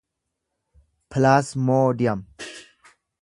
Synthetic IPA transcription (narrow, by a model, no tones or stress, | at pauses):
pʰlaːsmoːdijɐm